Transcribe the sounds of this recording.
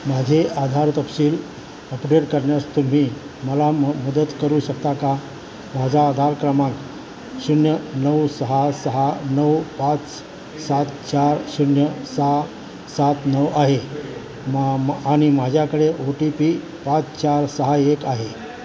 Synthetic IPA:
mad͡ʑʱead̪ʱaɾt̪əpsiːl | əpɖeʈkəɾɳjast̪um̤iː | məlaməd̪ət̪kəɾuːɕəkt̪aka | mad͡ʑʱaːd̪ʱaɾkɾəmãk | sunjənəwsəɦasəɦanəwpat͡s | sat̪t͡ɕaɾsunjəsa | sat̪nəwaɦe | aɽ̃imad͡ʑʱjakəɽeʔoʈipi | pat͡st͡ɕaɾsəɦaekaɦe

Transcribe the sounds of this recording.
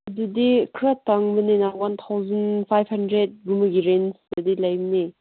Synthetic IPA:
ɐdudikʰɾataŋbɐninawant̪ʰawzɐnpʰajbhɐndɾet̚ɡumɐɡiɾensdɐdilajbni

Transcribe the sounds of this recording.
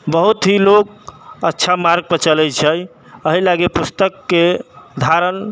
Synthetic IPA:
bəɦut̪ɦilokətːʃʰamaɾɡ̚pət͡ʃəlɛjt͡ʃʰəj | əɦilaɡepust̪əkːed̪ʱaɾən

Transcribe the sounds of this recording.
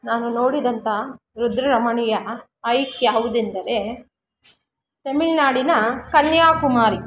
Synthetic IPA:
naːnuno̞ːɽid̪ɐnt̪ɐ | ɾud̪ɾɐɾɐmɐɳijɐː | jkːjaːʋud̪ind̪ɐɾe | t̪emiɭnaːɽinɐkɐnjaːkumaːɾi

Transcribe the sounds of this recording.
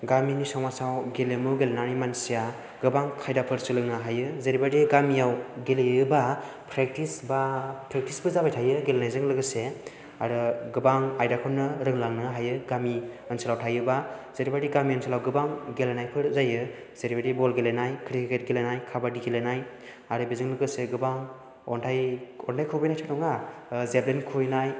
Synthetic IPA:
ɡaminisawmasawɡelemɯɡelenanimansija | ɡɯbaŋkʰajdapʰɯɾsɯlɯŋnɯɦajɯzeɾibadiɡamijawɡeleɯba | pʰɾek̚tisbapʰɾek̚tisbɯzabajtʰajɯɡelenajzɯŋlɯɡɯse | aɾɯɡɯbaŋajdakʰɔnːɯɾɯŋlaŋnɯɦajɯɡami | ənselawtʰajɯbaz̥eɾibaɾiɡamiɯnsʰelawɡɯbaŋɡelenajpʰɯɾzajɯ | z̥eɾibaɾibɔlɡelenajkʰɾikʰket̚ɡelenajkʰabadiɡelenaj | aɾɯbizɯŋlɯɡɯseɡɯbaŋ | ɔntʰajɔntʰajkʰɯwbajnajtʰanɔŋazeblenkʰuinaj

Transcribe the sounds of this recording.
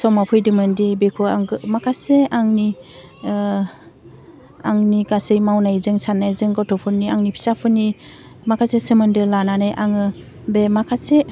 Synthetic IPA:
sɔmapʰɯjdɯmɯndibekʰɔaŋɡɯmakʰaseaŋni | aŋnikasɯjmawnajzɯŋsanːajzɯŋɡɔtʰɔpʰɯniaŋnipʰi̥sapʰɯnːi | makʰasesɯmɯndɯlananajʔaŋɯ | bemakʰase

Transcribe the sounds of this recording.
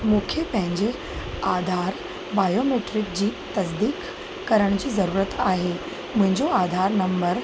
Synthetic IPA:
mukʰjepəɦɪ̃ɲd͡ʑe | ad̪ʱaɾ | bajomeʈɾɪk̚d͡ʑiːt̪əs̬d̪iːkː | əɾəɳ̃t͡ɕiːzəɾuːɾət̪aɦe | mũɦɪ̃ɲd͡ʑoad̪ʱaɾnəmbəɾ

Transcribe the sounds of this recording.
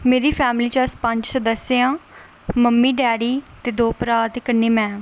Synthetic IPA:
meːɾiːpʰɛːmliːt͡ʃəspə̃ɲd͡ʒsəd̪əsɪãː | məmːiːɖɛːɽiːt̪eːd̪oːpɾaːt̪kənːeːmɛ̃ː

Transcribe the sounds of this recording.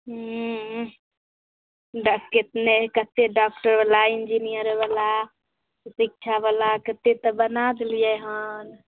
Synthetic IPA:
ɖket̪nekət̪ːeɖak̚ʈəɾbalaind͡ʒinijəɾbala | sik̚t͡ʃʰabalakət̪ːet̪ɔbənad̪lijeɦən

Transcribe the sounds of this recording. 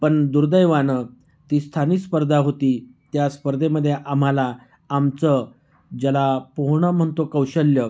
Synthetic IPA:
pəɳd̪uɾd̪əjʋanə | t̪iːst̪ʰanispəɾd̪ʱaɦot̪iːt̪jaspəɾd̪ʱeməd̪ʱːjeʔam̤alaː | mt͡sə | d͡ʑəlapoɦɳəm̤əɳt̪okəwɕəlːjə

